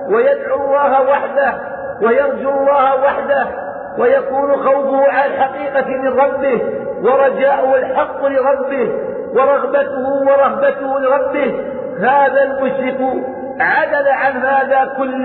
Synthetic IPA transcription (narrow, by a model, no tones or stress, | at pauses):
wajad̪ʕʊlˤːɑːɦawaħd̪a | wajɑɾˤd͡ʒʊlˤːɑːhawaħd̪ah | wajakuːnʊxawfʊhʊʕalalħaqiːqɑmɪnɾˤɑbːɪhwɑɾˤɑd͡ʒaːʔʊhalħɑqːʊlɪɾˤɑbːɪh | wɑɾˤɑɣbat̪ʊhʊwɑɾˤɑhbat̪ʊhʊlɪɾˤɑbːɪh | haːðalmʊʃɾɪqʊ | ʕad̪alaʕanɦaːðaːkʊlː